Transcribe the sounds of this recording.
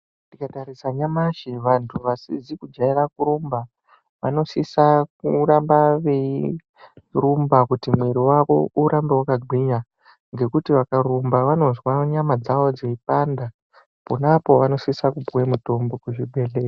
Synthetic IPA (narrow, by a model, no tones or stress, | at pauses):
ndikataɾisaɲamaʃeʋantʰuʋasizikud͡ʒairakuɾumba | ʋa̰no̞sisak̚urambaʋei | rumbakutimwe̞ɾiwako̞̰ʔuɾambewakaɡʱiɲa | ŋɡe̞kutiʋakaɾumbaʋano̞zwaɲamad͡zaʋo̞d͡zeipanda | ponapo̞ʋano̞sisakupuwemuto̞mbo̞kuʐiɓʱe̞ɮeka